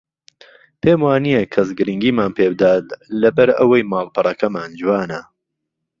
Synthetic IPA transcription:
pʰeːmwaːnijekʰɐs̬ɡɨɾiŋɡiːmaːnpʰeːbɨd̪aːt̪lɐbɐɾɐwɐjmaːlˠpʰɨrˤɐkɐmaːnd͡ʒuwaːnɐ

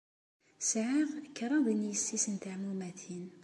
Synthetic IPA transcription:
sʕiʁkːɾˤɑðˤinjəsːisənt̪aʕmumæθin

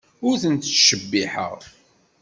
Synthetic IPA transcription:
ʊɾθənt̪ʃəbːiħə̰ʁ

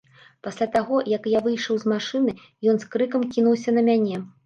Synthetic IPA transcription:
pasʲlʲat̪aɣɔjɐkjavɨjʂɐwzmaʂɨnɨ | jɔnskɾɨkɐmkʲinuws̬ʲɐnɐmʲanʲɛ

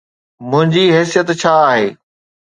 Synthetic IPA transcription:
mʊ̃ɦɪ̃ɲd͡ʑiɦɛːsijət̪t͡ɕʰaːɦeː

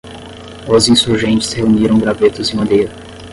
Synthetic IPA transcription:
ozĩsuɾʒẽnt͡ʃɪ̥sheuniɾɐ̃w̃ɡɾavet̪ʊzɪ̃mɐ̃d̪ejɾɐ

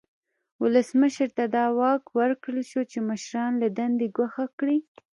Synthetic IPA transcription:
wʊləsməʃɾt̪ad̪ɑwɑkwəɾkɽəlʃot͡ʃemaʃɾɑnlad̪and̪eɡwaxakɽi

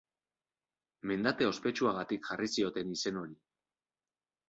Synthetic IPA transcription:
me̞nd̪at̪e̞o̞spe̞t͡ʃuaɣ̞at̪ikʝarisio̞t̪e̞nise̞no̞ɾi

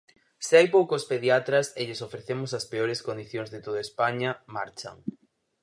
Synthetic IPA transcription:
sɪajpowkospeðjat̪ɾɐseʎesofɾeθemʊsɐspeoɾeskond̪iθjoŋzðet̪oðaespaɲɐmaɾt͡ʃɐ̰ŋ

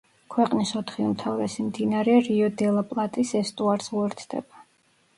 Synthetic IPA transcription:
kʰwɛqʼnisɔt̪ʰχiumt̪ʰavɾɛsimd̪inaɾɛɾiɔd̪ɛlˠapʼlˠat̪ʼisɛst̪ʼuaɾsuɛɾt̪ʰd̪̥ɛ̰ba

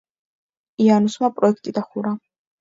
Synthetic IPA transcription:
ianusmapʼɾɔɛkʰt̪ʼid̪aχuɾa

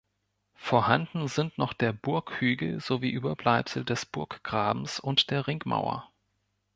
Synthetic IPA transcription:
foːɐhandn̩zɪntnɔχd̥eːɐbʊɐkhyːɡl̩z̥oviːʔyːbɐblaɪpsl̩dɛsb̥ʊɐkɡ̥ʁaːbm̩sʊntd̥eːɐʁɪŋkma̰ʊɐ̰

